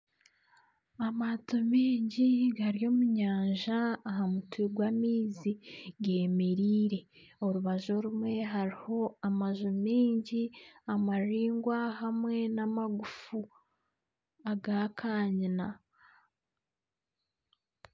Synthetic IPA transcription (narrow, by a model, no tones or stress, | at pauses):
amatomiːɲɟiɡaɾijo̞ːmuɲaːɲʒaːɦamutuiɡwamiːziɡe̞ːmeɾiːɾe̞ | o̞ɾuβaʒo̞ɾumwe̞ɦaɾiho̞amaʒumiːɲɟiamaɾiːŋɡwahamwe̞namaɡufu | aɡakʰaːɲina